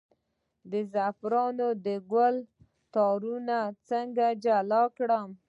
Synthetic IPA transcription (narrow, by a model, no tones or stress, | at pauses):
d̪əzafɾɑnod̪əɡwəl | t̪ɑɾunat͡səŋɡad͡ʒalɑkɽəm